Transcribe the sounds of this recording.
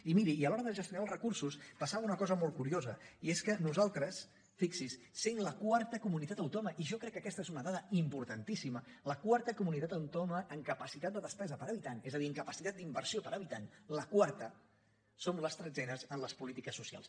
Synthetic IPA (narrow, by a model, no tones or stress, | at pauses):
imiɾiːəlɔɾəðəʒəst̪junalˠzrəkuɾsuspəsaβəunəkɔzəmolˠkuɾiozəieskənuzalˠt̪ɾəs | fiksisːeinləkwaɾt̪əkumunit̪at̪əwt̪ɔməʔiʒɔkɾɛkːəkɛst̪əezunəðaðəimpuɾt̪ənt̪isimələkwaɾt̪əkumunit̪at̪əwt̪ɔməʔːŋkəpəsit̪at̪̚d̪əðəspɛzəpəɾəβit̪anezəðiəŋkəpəsit̪at̪̚d̪imbəɾsiopəɾəβit̪anləkwaɾt̪ə | somləst̪ɾəzɛnəzənləspulit̪ikəsːusia̰lˠs